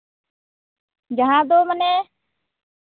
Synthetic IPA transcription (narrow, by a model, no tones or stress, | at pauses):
d͡ʒaɦãd̪omanɛ